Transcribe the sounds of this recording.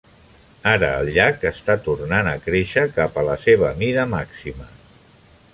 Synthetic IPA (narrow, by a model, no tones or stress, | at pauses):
aɾə̰ːlˠʎakəst̪at̪uɾnanəkɾeʃəkapələseβ̞əmiðəmaksimə